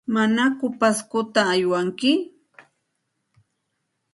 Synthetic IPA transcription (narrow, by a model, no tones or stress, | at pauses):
manakʊpaskʊt̪aːjwaŋkɪ